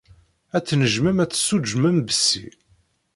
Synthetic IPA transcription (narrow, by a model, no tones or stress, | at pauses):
æt͡sːnəʒməmæt͡sːsːud͡ʒməmbəsːḭ